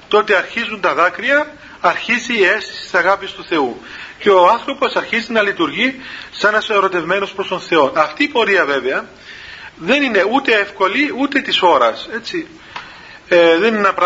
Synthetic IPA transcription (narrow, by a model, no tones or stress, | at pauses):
t̪o̞t̪eɐɾçizunt̪ɐðɐkɾiɐ | ɐɾçiziːe̞st̪isi̥st̪i̥sɐɣɐpist̪uθe̞u | ceoɐnθɾopo̞sɐɾçizinɐlit̪uɾʝisenɐseɾo̞t̪e̞vme̞no̞spɾo̞st̪onθe̞o̞nɐft̪iːpo̞ɾiɐve̞ve̞ɐ | ðe̞nine̞ut̪e̞efko̞liut̪e̞t̪iso̞ɾɐse̞t͡si | eðenenɐpɾ